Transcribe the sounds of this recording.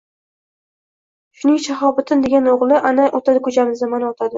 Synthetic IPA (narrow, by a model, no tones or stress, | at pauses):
ʃʊnɪŋʃaɦɒbɪt̪ʰɪnd̪e̞ɡʲanoʁlˠɪʔanaʔot̪ʰad̪ɪkʰʊt͡ʃamɪzamanaot̪ʰad̪ɪ